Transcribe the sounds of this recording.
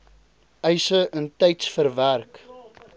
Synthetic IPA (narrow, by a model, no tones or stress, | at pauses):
œjsəʔəntɛjtsfərværk